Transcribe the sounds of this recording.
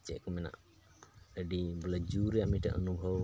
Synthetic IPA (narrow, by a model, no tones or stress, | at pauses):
t͡ʃɛʔkɔmɛna̰ʔ | əɖibɔlɛd͡ʒuɾɛjaʔmiʈa̰ʔənubʱəw